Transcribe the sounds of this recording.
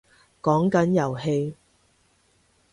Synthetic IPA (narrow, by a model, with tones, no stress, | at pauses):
kɔː˨˥ŋkɐ˨˥njɐ˨˩wɦe˧j